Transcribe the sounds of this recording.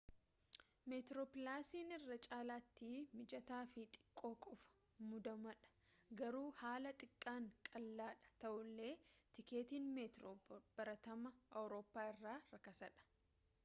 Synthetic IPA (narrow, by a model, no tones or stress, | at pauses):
met̪ɾoːpɪlaːsiːnɪrːɐt͡ʃʼaːlaːt̪ːiːmɪd͡ʒɐt̪aːfɪt̪ʼɪ̥kʼːo̞ːkʼɔfɐ̥ | mʊd̪ɐmɐᶑɐ̥ɡɐɾuːhaːlɐt̪ʼɪkʼːaːŋkʼɐlːaːᶑɐ̥t̪ɐʔʊlːe̞ːt̪ɪke̞ːt̪iːnmeːt̪ɾobb̥ɐɾɐt̪ɐmɐʔɐwɾo̞ːpːaːɪrːaːɾɐkɐsɐᶑɐ̥